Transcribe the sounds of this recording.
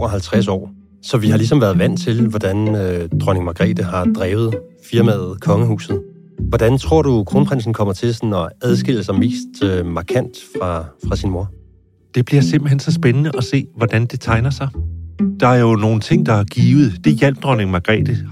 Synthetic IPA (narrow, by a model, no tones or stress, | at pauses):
oɒɦælt͡sʰʁasɒ̰ː | sɒ̽ʋihɑ̈lis̬ɒ̽mʋæɐðˠʋæn̰t͡sʰe̝lʋɒd̥ænød̥ʁɔne̝ŋmɑ̈ɡ̥ʁɛ̰ːd̥əɦɑ̈d̥ʁɛːʊð̞̩ˠ | fiɐmæðð̩ˠkʰɒ̽ŋəɦṵːsð̩ˠ | ʋɒd̥ænt͡sʰʁo̝ɐ̰ɾ̥ukʰʁonpʁan̰sn̩kʰɒ̽m̰ɐt͡sʰe̝lsnɒ̽æð̞ˠsɡ̥e̝l̰əsɒme̝̰ːsd̥ømɑ̈kʰæn̰d̥fʁɑ̈fʁɑ̈sinmo̝ɐ̰ | d̥e̝b̥liɐse̝m̰b̥l̩ɦen̰sɒ̽sb̥enənəʔɒ̽se̝̰ːʋɒd̥ænd̥e̝t͡sʰɑ̈ɪnɐsɑ̈ɪd̥ɑ̈æɐjo̝no̝ːn̩t͡sʰe̝ŋ̰d̥ɑ̈æɐɡ̥iːʊð̩ˠd̥e̝jel̰b̥̚d̥ʁɒne̝ŋmɑ̈ɡ̥ʁɛ̰ːd̥ə